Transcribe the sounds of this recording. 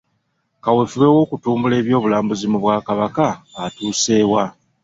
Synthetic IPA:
kawe̞fuβewo̞ːkutuːmbule̞ːβjo̞ːβulaːmbuzimuβwaːkaβakaːtuːse̞ːwa

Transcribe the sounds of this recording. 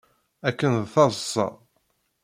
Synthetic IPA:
ækːənðθɑðˤəsˤːɑ̰

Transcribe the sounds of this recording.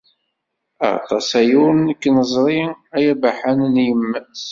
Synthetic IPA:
ɑ̰t̪ˤɑ̰sæjʊɾnəkːnəzˤɾˤiæjæbaħannjəmːæs

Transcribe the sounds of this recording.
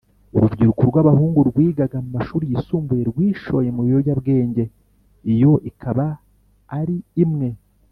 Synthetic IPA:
uɾuvɟiɾukoɾɡwaβahuːŋɡuɾɡwiːɡaɡamumaʃuːɾijisuːmbuje̞ɾɡwiːʃo̞je̞muɾiɾoɟabɡe̞ːɲɟe̞ | ijo̞ʔikʰaβaː | ɾiːmŋe̞

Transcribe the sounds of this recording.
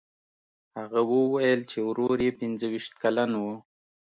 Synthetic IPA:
haɣawəwajəlt͡ʃewɾoɾjepɪnzəwiʃt̪̚kalanwu

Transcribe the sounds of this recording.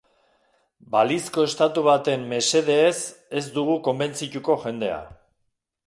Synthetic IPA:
balisko̞e̞st̪at̪uβat̪e̞mːe̞se̞ðe̞ːse̞zd̪uɣuko̞mbe̞nt͡sit̪uko̞ʝe̞nd̪e̞a̰

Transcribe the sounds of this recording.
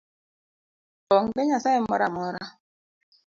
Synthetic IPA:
ɔŋdeɲasaɛmɔɾamɔɾa

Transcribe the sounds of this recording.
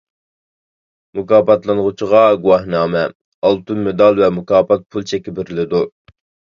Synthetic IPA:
mukɑːpɑt̪lˠɨnʁʊt͡ʃʰiʁɑɡuwɑhnɑːmɛ | ɑlˠt̪ʰunmɪd̪ɑlˠvɛmukɑːpɑt̪̚pʰulˠt͡ʃʰɛkʲɪbɪɾɪlɪd̪u

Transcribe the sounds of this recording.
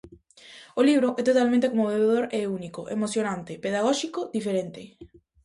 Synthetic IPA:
oliβ̞ɾoʔɛt̪ot̪almẽnt̪ekomoβeβeð̞oɾeunikoʔḛmosjonãnt̪epeðaɣ̞ɔʃikod̪ifeɾent̪ɪ

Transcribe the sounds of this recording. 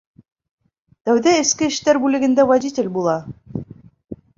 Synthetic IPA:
t̪æwðæɘ̆skɘɘ̆ʃt̪æɾbʉlɘ̆ɡɘ̆nd̪ævædʲitʲɘ̆lʲbulˠɑ

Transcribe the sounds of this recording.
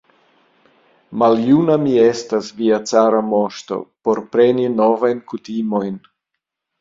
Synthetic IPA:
maljunamie̞stasviat͡saɾamo̞ʃto̞̰po̞ɾpɾe̞nino̞vajnkutimo̞jn

